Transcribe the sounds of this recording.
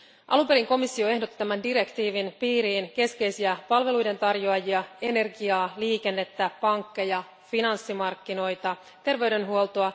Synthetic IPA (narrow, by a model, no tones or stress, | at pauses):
ʔɑ̰lumpe̞ɾiŋko̞misːio̞e̞ɦdo̞t̪ːi̥t̪æmændiɾe̞kt̪iːʋinpiːɾiːnke̞ske̞jsiæpɑlʋe̞lujde̞nt̪ɑrjoɑjiɑe̞ne̞rɡiɑːliːke̞nːe̞t̪ːæpɑŋkːejɑ | finɑnsːimɑrkːino̞jt̪ɑ | t̪e̞rʋe̞yde̞nɦuolˠt̪oɑ